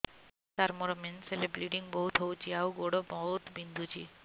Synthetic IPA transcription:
t̪aɾmɔɾɔmenselebɾeʈiŋbɔɦut̪ɦowt͡ʃʰiawɡoɽɔbɔɦut̪bind̪ʱut͡ʃʰi

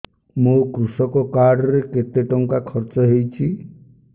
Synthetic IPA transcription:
mukɾusɔkɔkaɖɔɾeket̪eʈɔŋkakʰɔɾt͡ʃɔɦejt͡ʃʰi

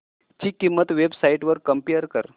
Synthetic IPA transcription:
t͡ɕikːimːət̪ʋebsaiʈʋəɾkəmpijəɾkəɾ

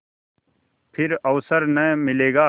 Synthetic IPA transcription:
pʰɪɾɐʋsəɾnəmɪleːɡaː

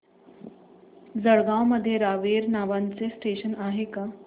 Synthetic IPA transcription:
d͡zəɭɡãwməd̪ʱːjeɾaʋeɾnaʋant͡sesʈeɕənaɦeka

